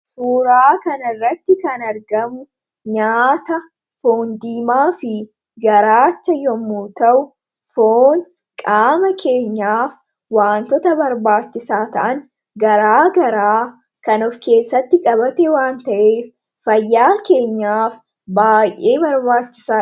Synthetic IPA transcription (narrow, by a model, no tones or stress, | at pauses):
suːɾaːkɐnɐrːɐt̪ːɪkɐnɐɾɡɐmʊ | ɲaːt̪ɐ | foːnd̪iːmaːfɪ | ɡɐɾaːt͡ʃːɐjɔmːuːt̪ɐʔʊ | foːn | kʼaːmɐkʰe̞ːɲːaːf | waːnt̪ɔt̪ɐbɐɾbaːt͡ʃːɪsaːt̪ɐʔɐn | ɡɐɾaːɡɐɾaː | kɐnɔfke̞ːsːɐt̪ːɪkʼɐβɐt̪ɛwaːnt̪ɐʔeːf | fɐjːaːke̞ːɲːaːf | baːjʔe̞ːbɐɾbaːt͡ʃːɪ̥saː